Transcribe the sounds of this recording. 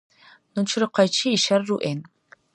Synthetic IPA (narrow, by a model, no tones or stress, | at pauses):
nɨt͡ʃʰɾɨqɐt͡ʃʰiːʃɐrːuʔen